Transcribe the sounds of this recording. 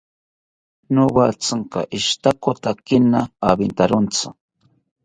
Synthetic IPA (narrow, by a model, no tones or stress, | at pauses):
nowat͡saŋka̰ʔɪʃt̪akot̪akɪnaːbɪnt̪aɾont͡sa